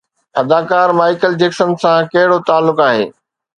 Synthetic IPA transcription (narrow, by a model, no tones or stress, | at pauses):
ɐd̪aːkaːɾmaːɪkəld͡ʑeːksənsãkɐɦɪɽot̪aːlːʊkaːɦḛː